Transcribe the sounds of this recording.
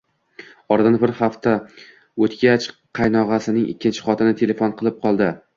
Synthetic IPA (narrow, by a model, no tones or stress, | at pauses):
ɒɾd̪anbɪɾhaft̪ʰa | ot̪ɡʲat͡ʃqʰɑjnɒʁasɪnɪŋʔɪ̰kʲʰːɪnt͡ʃʰɪ̥χɒt̪ʰɪnɪt̪ʰe̞le̞fonqʰɨlˠɪp̚qʰɒlˠd̪ɪ